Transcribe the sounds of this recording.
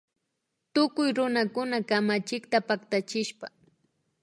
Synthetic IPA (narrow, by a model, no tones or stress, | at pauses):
t̪ʊkʊjɾʊnakʊnakamat͡ʃɪkt̪apakt̪at͡ʃɪʃpa